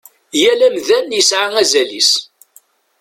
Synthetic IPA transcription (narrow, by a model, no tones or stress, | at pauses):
jælæmðænjəsʕaŋæzælis